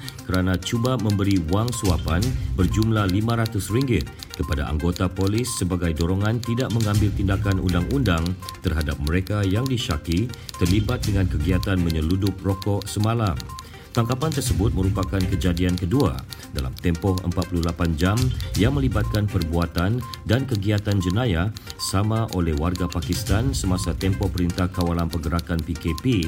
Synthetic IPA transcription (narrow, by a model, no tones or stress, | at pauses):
kəɾanãt͡ʃubamə̃mbəɾiwaŋsuapanbərd͡ʒumlahlimãɾat̪ʊsriŋɡɪt̪̚ | kəpada̰ʔa̰ŋɡot̪apolisːəbaɡajdoɾɔŋãnt̪idaʔ̚məŋãmbɪlt̪indakanʔṵndaŋʔundaŋt̪ərɦadap̚məɾekajaŋdiʃakit̪ərlibat̪̚dəŋãnkəɡiat̪anməɲəludʊp̚rokɔʔsəmãlam | t̪aŋkapant̪ərsəbʊt̪̚məɾupakankəd͡ʒadiankədua̰da̰la̰mt̪ɛmpɔhə̰mpat̪̚pululapand͡ʒamjaŋmə̃libat̪̚kanpərbuat̪andankəɡiat̪and͡ʒənajasamãʔolɛhwarɡapakist̪ansəmasat̪ɛmpɔpəɾint̪ahkawalanpəɡəɾakanpikepi